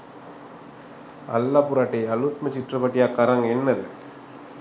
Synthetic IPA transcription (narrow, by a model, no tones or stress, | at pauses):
ɐ̰lːaːpʊɾaːʈːɐjɐlut̪mɐt͡ʃɪʈrɐpɐʈːɪjaːkːɐɾɐŋɡɛnːɐðɯ̰